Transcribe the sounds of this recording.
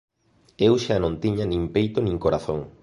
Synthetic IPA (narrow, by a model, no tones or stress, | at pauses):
ewʃanõnt̪iɲanĩŋpejt̪onĩŋkoɾaθoŋ